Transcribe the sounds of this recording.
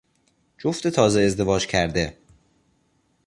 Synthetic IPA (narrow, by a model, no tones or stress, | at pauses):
d͡ʒoft̪et̪ʰɒːzeezd̪e̞vɒːd͡ʒcʰæɾd̪e